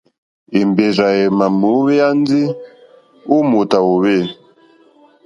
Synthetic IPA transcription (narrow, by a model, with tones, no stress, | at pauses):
i˨mbe˨za˨ɛ˨ma˨mu˨˦βɛ˦a˦nzi˦ | u˦mu˨ta˨wo˨βɛ˦˨